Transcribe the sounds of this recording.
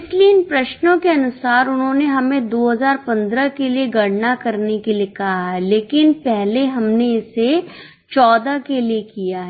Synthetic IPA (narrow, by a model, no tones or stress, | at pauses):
ɪslieɪnpɾɐʃnõkeɐnʊsaːɾʊnɦõːneɦɐmẽd̪oːɦɐzaːɾpɐ̃nd̪ɾəkelieɡɐɽ̤nakɐɾnekeliekɐɦaɦɛleːkɪnpɛɦleɦɐmneɪse | t͡ʃɔːd̪akeliekijaɦɛ